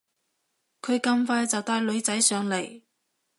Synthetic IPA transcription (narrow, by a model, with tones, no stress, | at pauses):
kʰɵ˨˧ɥkɐ˥˧mfaː˧˥jt͡sɐ˨wt̪aː˧jlɵ˨˧ɥt͡sɐ˨˥jsœː˨˧ŋle˨˩j